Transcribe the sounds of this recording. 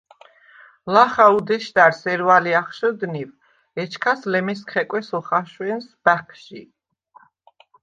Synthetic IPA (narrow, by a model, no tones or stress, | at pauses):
laχaud̪ɛʃd̪aɾsɛɾvaliaχʃɔd̪niv | ɛt͡ʃʰkʰaslɛmɛskʰχɛkʼwɛsɔχaʃwɛnsb̥akʰʃi